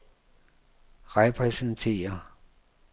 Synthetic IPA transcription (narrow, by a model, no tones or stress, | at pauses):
ʁɛpʰʁɛsənt͡sʰe̝̰ːɐ